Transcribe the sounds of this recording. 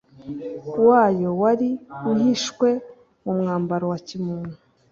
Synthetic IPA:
waːjo̞waɾihiʃkwe̞ | mumŋaːmbaɾowacimuːnhu

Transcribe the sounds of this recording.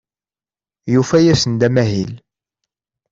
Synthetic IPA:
jufæjæsənd̪æmæɦil

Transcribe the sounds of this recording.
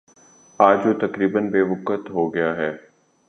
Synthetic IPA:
aːd͡ʒot̪ɐkɾiːbənbeːbʊkət̪ɦoːɡɐjaɦɛː

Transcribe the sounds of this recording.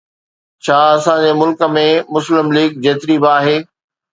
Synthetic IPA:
t͡ɕʰaːɐsãd͡ʑemʊlkə̆mẽmʊslɪmliːɡ̚d͡ʑeːt̪ɪɾibaːɦeː

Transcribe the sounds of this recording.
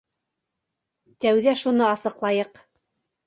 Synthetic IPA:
t̪æwðæʃunɤɑsɤ̆qlˠɑjɤq

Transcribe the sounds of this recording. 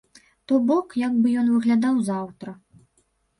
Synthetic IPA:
t̪ɔbɔkjaɡbɨjɔnvɨɣlʲad̪awzawt̪ɾɐ

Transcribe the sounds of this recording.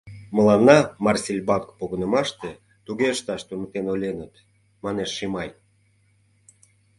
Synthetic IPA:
məlɑnːɑmɑrsʲelʲbɑkpoɣənə̆mɑʃt̪e | t̪uɣeəʃt̪ɑʃt̪unət̪enolʲenət̪ | mɑneʃːimɑj

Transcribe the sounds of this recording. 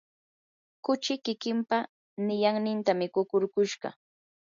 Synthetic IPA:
kʊt͡ʃɪkɪkɪmpa | nɪjaŋnɪnt̪amɪkʊkʊɾkʊʃɢɑ̰

